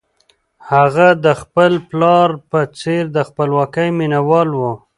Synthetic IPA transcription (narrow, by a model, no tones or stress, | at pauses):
haɣad̪əxpəlplɑɾpət͡seɾd̪əxpəlwɑkəjminawɑlwu